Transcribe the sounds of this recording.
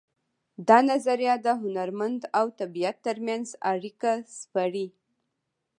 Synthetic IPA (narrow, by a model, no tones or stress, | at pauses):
d̪ɑnazaɾjɑd̪əɦʊnaɾmand̪awt̪abijat̪ːəɾmjanzaɽikaspaɽi